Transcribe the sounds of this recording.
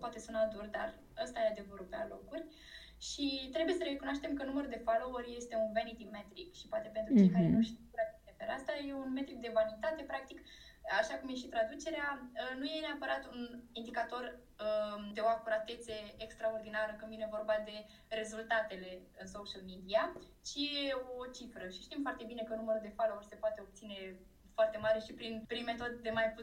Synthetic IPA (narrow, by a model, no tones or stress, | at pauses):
pwat̪e̞sunt̪ad̪urd̪ar | əst̪ajead̪e̞vəɾupea̰lo̞̰kurʲ | ʃit̪ɾe̞buje̞səɾekunoaʃt̪e̞mkənuməɾud̪e̞falo̞urʲje̞st̪e̞unvenit̪iɡme̞t̪ɾikʃipoat̪e̞pent̪ɾut͡ʃt͡ʃejkaɾenuʃikuɾament̪epeɾast̪aje̞unme̞t̪ɾik̚d̪e̞vanit̪at̪e̞pɾak̚t̪ik | aʃakumje̞ʃit̪ɾad̪ut͡ʃe̞ɾeaənuje̞neapəɾat̪unind̪ikat̪o̞r | əd̪e̞oakuɾat̪e̞t̪seːkst̪ɾao̞rd̪inaɾəkɨnvine̞vo̞rbad̪e̞ | re̞zult̪at̪e̞le̞ɨnsoʃəlmid̪ia | t͡ʃije̞o̞t͡ʃifɾəʃiʃt̪imfoart̪e̞bine̞kənuməɾuld̪e̞falourʲse̞poat̪e̞o̞b̚t̪sine̞ | foart̪e̞maɾe̞ʃipɾinpɾinme̞t̪o̞d̪d̪e̞majpu